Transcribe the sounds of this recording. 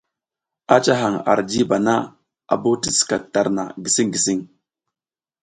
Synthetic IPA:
a˦t͡ʃa˦ɦa˨ŋa̰˨ɾd͡ʒi˦ba˨na˦ | a̰˨bo˦ti˦ska˨ta˨ɾna̰˨ɡi˨si˦ŋɡi˨si˦ŋ

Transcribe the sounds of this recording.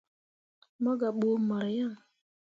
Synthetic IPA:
mɔ˦ɡa˨ɓo˨˦mɔ˨ɾja˦ŋ

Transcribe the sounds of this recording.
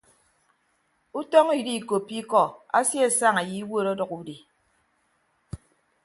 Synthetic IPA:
u˦tɔ˦ŋi˨di˦˨ko˨pːi˦kɔ˨a̰˦sje˦a˨sa˦ŋa˨ji˨i˦wo˦˨ɾɔ˦dɔ˨ku˦di˨

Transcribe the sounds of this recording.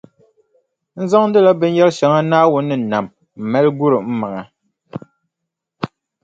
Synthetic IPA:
n̩˦za˦ŋn̩˦dɨ˦la˦bɨ˦n˦jɛ˦lʃɛ˨ŋa˦naː˦wʊ˦nːɨ˦˨na˨m | m̩˨mɛ˦lɡu˦ɾɨ˨m̩˦ma˨ŋa˨

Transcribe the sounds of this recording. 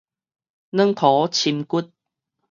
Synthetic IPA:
nə˧˥ŋt̪ʰɔː˨˦t͡ɕʰi˧nku˦˥t̚

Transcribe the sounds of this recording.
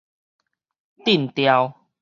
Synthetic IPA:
t̪i˥˨nt̪ja˧w

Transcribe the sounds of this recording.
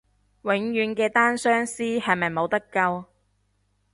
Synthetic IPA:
wɪ˨˥ŋjyː˨˥nkɛː˧t̪aː˥nsœː˥ŋsiː˥hɐ˨jmɐ˨˩jmo˨˧wt̪ɐ˥kːɐ˧w

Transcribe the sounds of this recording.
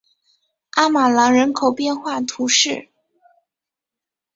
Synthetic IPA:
a˥ma˨˩lɑ˧˥ŋɻə˧˥nkʰo˨˩ʊpjɛ˥˧nxwa˥˩t̪ʰu˧˥ʂɻ̩˥˩

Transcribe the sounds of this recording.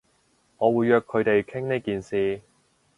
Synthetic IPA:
ŋɔː˨˧wuː˨˧jːœː˧kʰːɵ˨˧ɥt̪e˨jkʰɪ˥ŋneː˥kiː˨nsiː˨˧

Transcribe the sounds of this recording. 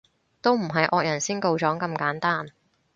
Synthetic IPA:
t̪o˥wm̩˨˩ɦɐ˨jʔɔː˧k̚jɐ˨˩nsiː˥nko˧wt͡ʃɔː˨˥ŋkɐ˧mkaː˨˥nt̪aː˥n

